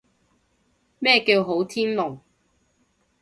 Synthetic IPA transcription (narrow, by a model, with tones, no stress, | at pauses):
mɛː˥˧kiː˧wɦo˨˥wt̪ʰiː˥nlʊ˨˩ŋ